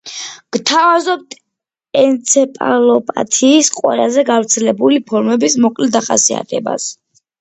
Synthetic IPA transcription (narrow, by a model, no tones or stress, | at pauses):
ɡ̥t̪ʰavazɔp̚t̪ʰ | ɛnt̪sʰɛpʼa̰lɔpʼa̰t̪ʰiːsqʼwɛ̰lazɛɡavɾt̪sʰɛlɛbulipʰɔɾmɛbismɔkʼlɛd̪aχa̰sia̰t̪ʰɛba̰s